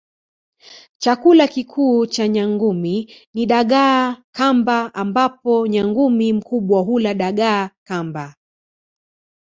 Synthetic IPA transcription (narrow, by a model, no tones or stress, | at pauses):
t͡ʃakulakikʰuːt͡ʃaɲaŋɡuminiɗaɠaːkambaʔambapɔɲaŋɡumim̩kuɓwaɦulaɗaɠaːkamba